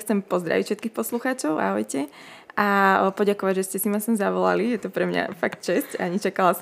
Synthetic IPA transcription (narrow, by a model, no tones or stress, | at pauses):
xt͡sɛmpɔzd̪ɾa̰ʋicfʃɛt̪̚kixpɔsluxaːt͡ʃɔʊa̰ɦɔjcɛ | apɔɟakɔʋaɟʒɛscɛsimasɛmzaʋɔla̰lijɛt̪ɔpɾɛmɲa̰fakt̪̚t͡ʃɛscaɲit͡ʃakalas